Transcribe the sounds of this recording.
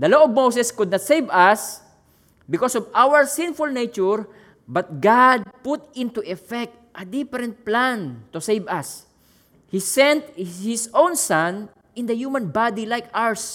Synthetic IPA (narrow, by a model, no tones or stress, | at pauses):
d̪ɐloʔɔvmowsɛskʊd̪nat̪sejvɐs | bɪkosɔvʔawəɹsɪ̃nfʊlnejt͡ʃʊɹ | bɐt̪̚ɡad̪̚pʊt̪ɪ̃nt̪uʔɛfɛk̚t̪ʔɐd̪ɪfɛɾɛ̃nt̪̚plãnt̪ʊsejvɐs | hisɛ̃nt̪hɪsõwnsãn | ʔɪ̃nd̪ɐjuːmɐ̃nbad̪ilajkaɹs